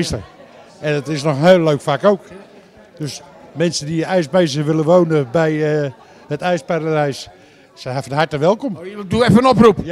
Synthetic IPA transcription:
stər | ɛndɔtɪsnɔxənheːlːøːkfakowk | døsmɛnsəndiəɛjsmejs̬əʋɪləʋownəbɛjə | hətɛjspaɾədɛjs | sɛɦafənhatəʋɛlˠkɔmduɛfəənɔprup

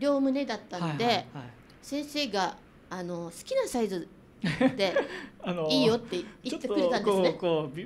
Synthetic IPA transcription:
ɾʲo̞ːmɯ̟ne̞d̪at̪ːanod̪e̞ | sẽ̞ɰ̃se̞ːɡaː | no̞sɨ̥kʲinasaizɨ | d̪e̞anoiːjo̞t̪ːe̞it̪ːekɯɾet̪ãneɨekoː

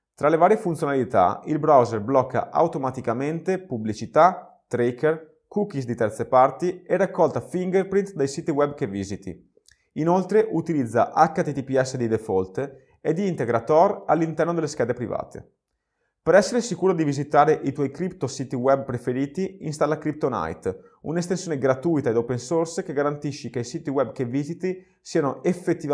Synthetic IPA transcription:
t̪ɾalevaːɾjefunt̪sjonalit̪a̰ilbɾawzerblɔkːa̰ʔa̰wt̪omat̪ikament̪epublit͡ʃit̪a | t̪ɾeker | kukisd̪it̪ɛrt̪sepaɾt̪ierːakːɔlt̪afiŋɡerpɾint̪d̪ejsiːt̪iwɛbkevizit̪ḭ | inolt̪ɾeʔut̪ilid̪zːa̰ʔakːat̪it̪ipiɛsːed̪id̪efɔlt̪ | ed̪iːnt̪eɡɾat̪ɔralːint̪ɛrnod̪elːeskɛːd̪epɾiva̰ːt̪ʰḛ | peɾɛsːeɾesikuːɾod̪ivizit̪aːɾeʔit̪wɔjkɾipt̪osiːt̪iwɛb̚pɾefeɾiːt̪iinst̪alːakɾip̚t̪ona̰jt̪ | ṵnest̪ensjoneɡɾat̪ujt̪aed̪opensorskeɡaɾant̪iʃːikeisiːt̪iwɛbkevizit̪i | siːanoʔefːet̪ːiva

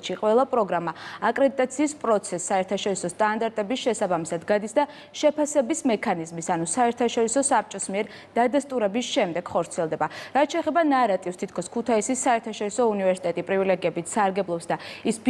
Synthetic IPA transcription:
ʃiqʼwɛlˠapʼɾɔɡɾamaːkʼɾɛd̪it̪ʼat̪sʰiːspʼɾɔt̪sʰɛsːaɛɾt̪ʰaʃɔɾisɔst̪ʼand̪aɾt̪ʼɛbisʃɛsabamisad̪ɡad̪isd̪a | ʃɛpʰasɛbismɛkʰanizmisanusaɛɾt̪ʰaʃɔɾisɔsap̚t͡ʃʼɔsmiɛɾ | d̪̥ad̪ast̪ʼuɾɛbisʃɛmd̪ɛɡ̥χɔɾt̪sʰiɛlˠd̪ɛbaɾat̪ʰt͡ʃʰɛːχɛbanaɾat̪ʼifst̪ʰit̪̚ʰkʰɔskʰut̪ʰaisisːaɛɾt̪ʰaʃɔɾisɔunivɛɾsi̥t̪ʼɛt̪ʼipʼɾivilɛɡiɛbit̪ʰsaɾɡɛblˠɔpsd̪aisb

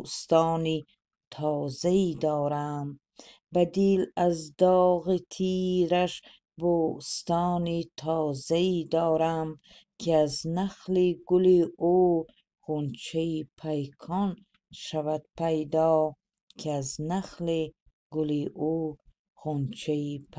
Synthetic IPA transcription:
st̪ɔːni | t̪ʰɔːzaid̪ɔːɾam | bad̪ilazd̪ɔːɣit̪ʰiːɾaʃ | bust̪ɔːnit̪ʰɔːzaid̪ɔːɾam | kʰiaznaqliɡuliuː | χunt͡ʃʰaipʰajkʰɔn | ʃavad̪̚pʰajd̪ɔː | kʰiaznaqli | ɡuliʔu | χunt͡ʃʰaipʰ

